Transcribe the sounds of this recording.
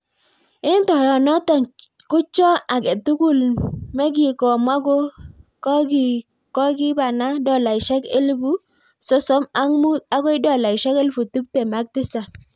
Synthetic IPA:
ɪ˦ntɔ˨jɔ˨nɔ˦tɔ˨kʊ˦t͡ʃɔ˦a˨ke˨tu˦ku˦˨lmɛ˦ɡɪ˨kɔ˨ma˦ɡo˦kɔ˦ɡ | kɔ˦ɡɪ˦ba˨na˦dɔ˦˨la˨ɪ˨ʃɛ˦kḛ˦lbu˦ | sɔ˦sɔ˦ma˦ŋmu˦t̪̚a˦ɡɔ˦ɪ˦dɔ˦˨la˨ɪ˨ʃɛ˦kɛ˦lfu˨tu˦p̚te˨ma˦k̚tɪ˦sa˨

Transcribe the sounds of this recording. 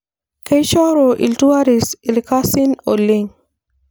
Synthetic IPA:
ke˦jʃɔ˦ɾo˨ʔḭ˨ltu˦a˦ɾi˨si˨lka˦si˦no̰˨lːi˦ŋ

